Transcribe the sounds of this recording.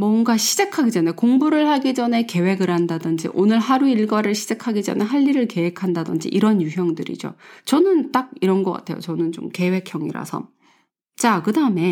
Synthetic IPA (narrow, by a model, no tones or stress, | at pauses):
mwʌŋɡaɕʰid͡ʑakʰaɡid͡ʑʌne̞koŋbuɾɯɭhaɡid͡ʑʌne̞ke̞we̞ɡɯɾhandadɯnd͡ʑḭʔonɯɭhaɾuiɭɡwaɾɯɭɕʰi̥d͡ʑakʰaɡid͡ʑʌ̰neɦaʎːiɾɯɭke̞we̞kʰandadɯnd͡ʑḭʔiɾʌnjuɦjʌŋdɯɾḭd͡ʑo̰t͡ɕʌnɯnt͈aɡ̚iɾʌnɡʌk͈a̰tʰe̞jo̰t͡ɕʌnɯnt͡ɕo̰mke̞we̞kʰjʌŋḭɾa̰sʰʌ̰ | t͡ɕ͈akɯdaɯme̞